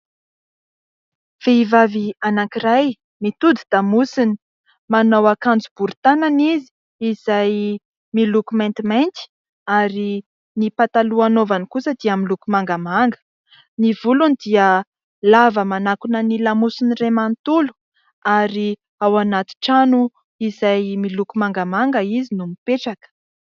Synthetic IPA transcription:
v̥eivavianakiɾaj | mit̪ud̪id̪̥amusini̥ | manawakand͡zub̥uɾit̪ananizi̥ | izaj | milukumẽnt̪iment̪i̥ | aɾi | nipat̪aluanovanikusəd̪iaminlukumaŋɡamaŋɡə̥ | nivulunid̪iə | lavəmanakunənilamusiniremant̪ulu̥ | aɾi | awanat̪i̥ʈ͡ʂanu | izajmilukumaŋɡamaŋɡəizinumipeʈ͡ʂakə̥

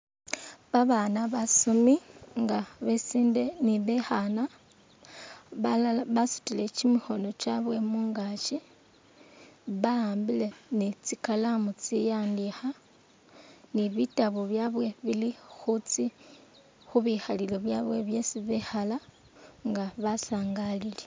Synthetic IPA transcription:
βaβanaβasumiŋɡaβesiːnde̞niβexana | βasu̥tile̞cimixo̞no̞t͡ʃaβwe̞muːŋɡat͡ʃi | βaaːmbile̞nit͡sikalamut͡sijaːndixa | niβitaβuβjaβwe̞βilixut͡si | xuβixalileβjaβweβje̞siβexala | ŋɡaβasaːŋɡalile

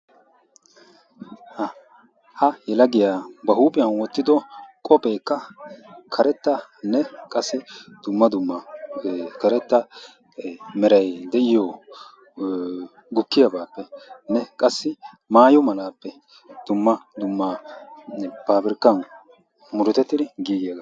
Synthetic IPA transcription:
hɐ | hɐjɛlɐɡɪjaːbɐɦuːbɪjɐnwɔt̪ːɪd̪ɔkʼɔpʼe̞ːkːɐkʰɐɾɛt̪ːɐnɛkʼɐsːɪd̪̥ʊmːɐd̪ʊmːɐ | kɐɾɛt̪ːɐ | mɛɾɐjd̪ɛʔɪjɔ | ɡʊkːɪjɐbaːpːɛnɛkʼɐsːɪ | maːjɔmɐlaːpːɛ | d̪̥ʊmːɐd̪ʊmːa | baːbɪɾkːɐn | mʊɾʊt̪ɛt̪ːɪd̪ɪɡiːɡɪjɐɡɐ

